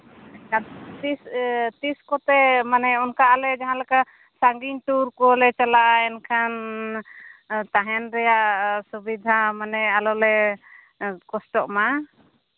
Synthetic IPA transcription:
kat̪ist̪iskɔt̪ɛmanɛɔnkaʔalɛd͡ʒaɦãlɛka | saŋɡiɲʈuɾkɔlɛt͡ʃalaʔaɛnkʰan | t̪aɦɛnɾɛjaʔsubid̪ʱamanɛalɔlɛ | kɔsʈɔʔma

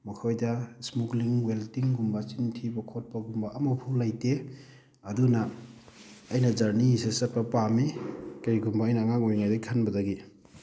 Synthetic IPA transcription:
mɐkʰojdasmukliŋweltiŋɡumbat͡ʃintʰibɐkʰot̚paɡumbaʔɐmɐpʰulajte | ɐdunaː | jnɐzɐɾniisesɐt̚pɐpamikaiɡumbaːjnaŋaŋojŋajdakʰanbɐdaɡi

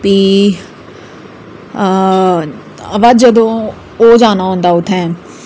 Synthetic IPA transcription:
piː | ɐʋad̪d͡ʒəd̪õ | oːd͡ʒaːnaɦõːnd̪aʊt̪ʰɛ̃ː

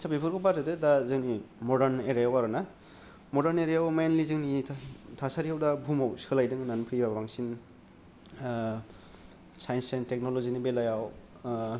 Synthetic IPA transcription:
sabipʰɯɾɡɔbadɯdɯdazɯŋnimɔdaɾneɾejawaɾɯna | mɔdaɾneɾejawmenlizɯŋnitʰasaɾihawdabʱumawsɯlajdɯŋnanpʰɯjbabaŋsin | sajnsentek̚nolozinibelajaw

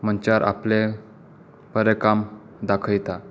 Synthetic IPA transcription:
m̤ənt͡ɕaɾʔa̰ple | pəɾekam | d̪akʰəjt̪a

